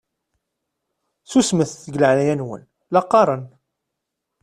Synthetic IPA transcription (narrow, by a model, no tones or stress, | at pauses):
θusməθθəɡləʕlæjænwə̰n | lɑqːɑɾˤən